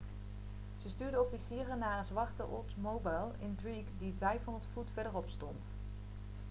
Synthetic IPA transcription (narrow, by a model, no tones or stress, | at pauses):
z̥əstyːɹdəɔfisiːrənːaːɹənzʋɑɹtəʔɔ̰ɹtsmowbajlˠɪ̰ndɹikdivɛjfɦɔndəɹtfutfɛɹdəɹɔpstɔnt